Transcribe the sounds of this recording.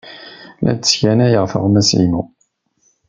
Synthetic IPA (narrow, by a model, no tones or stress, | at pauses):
læ̰d̪sçænæjəʁfə̰ʁmæsḭmu